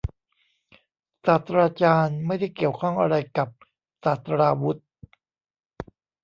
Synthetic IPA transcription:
saː˨˩t̪ʰɾaː˧t͡ɕaː˧nma˥˩jda˥˩jki˨˩əwkʰɔ˥˩ŋʔa˧ɾa˧jka˨˩p̚ | saː˨˩t̪ɾaː˧wu˦˥t̪̚

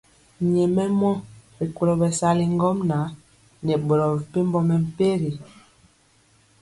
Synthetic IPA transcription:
ɲɛ˨mɛ˦mɔ˦ɾi˨ku˨lɔ˨bɛ˨sa˦li˨ŋ˦ɡɔ˦mna˨˦ | nɛ˨ɓɔ˨ɾɔ˨vi˨pe˦m˦bɔ˦mɛ˨m̩˨pe˦ɾi˨

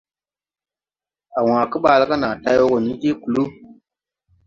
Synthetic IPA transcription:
a˨wãː˨kɨ˦ɓaː˦lə˦ka˦naː˨ta˦jwo˦ko˨ni˦d͡ʒe˦ku˨lu˦

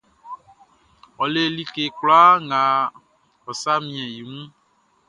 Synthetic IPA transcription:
ɔ˨le˨li˦ke˨kla˦ŋã˨ | ɔ˨sa˦mĩ˨ɛ̃˨ji˨ŋũ˦

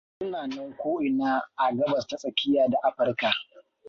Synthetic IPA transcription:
sʊ˦naː˨nɐ˦ŋkʷoː˦ʔɪ˨naː˦ʔa˨ɡɐ˦bɐ˨stɐ˦sʼɐ˨kʲɪ˦jaː˨da˨ʔa˦ɸɐ˨rka˨

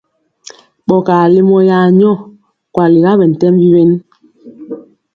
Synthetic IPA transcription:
ɓɔ˨kaː˨li˦mɔ˦jaː˦ɲɔ˦˨ | kwa˨li˨ɣa˦ɓɛ˨n̩˨tɛ˦mvi˦we˦n

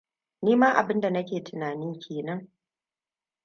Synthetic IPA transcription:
niː˦ma˦ʔa̰˨bɪ˦nda˨nɐ˦kʲeː˨tʊ˨naː˨nɪ˦ŋkʲʰeː˨nɐ˦ŋ

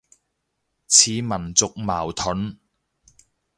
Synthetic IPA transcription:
t͡sʰiː˨mɐ˨˩nt͡sʊ˨k̚ma̰ː˨˩wt̪ʰɵ˨˥n

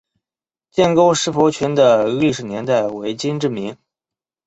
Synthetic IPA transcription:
t͡ɕjɛ˥˩nko˥ʊʂɻ̩˧˥fɔ˧˥t͡ɕʰy˧˥nd̪ə˨li˥˩ʂɻ̩˨˩njɛ˧˥nt̪a˥˩ɪwe˧˥ɪt͡ɕi˥nʈ͡ʂɻ̩˥˩mi˧˥ŋ

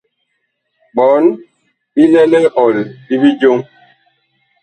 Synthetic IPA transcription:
ɓɔ˨˦n | bi˦lɛ˦lɛ˦ɔ˨lbi˦bi˦d͡ʒo˦ŋ

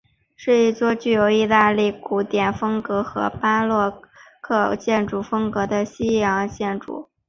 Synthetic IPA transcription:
ʂɻ̩˥˧i˥˩t͡swɔ˥˧t͡ɕy˥˩jo˧˥ʊi˥˧t̪a˥˧li˥˩ku˧˥t̪jɛ˨˩nfɤ˥ŋkɤ˧˥xɤ̰˧˥pa˥lwɔ˥˧kʰɤ˥˧t͡ɕjɛ˥˩nʈ͡ʂu˨˩fɤ˥ŋkɤ˧˥d̪ə˧ɕi˥jɑ˧˥ŋt͡ɕjɛ˥˩nʈ͡ʂṵ˨˩˦

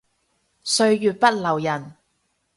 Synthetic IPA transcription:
sɵ˧ɥjyː˨t̚pɐ˥t̚lɐ˨˩wjɐ˨˩n

